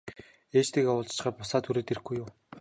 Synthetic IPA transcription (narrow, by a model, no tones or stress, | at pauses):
eːt͡ɕt̪ʰiːkawʊːɮt͡ɕ̆χaːpʊsaːt̪ʰuɾeːt̪er̆ɡujːʊw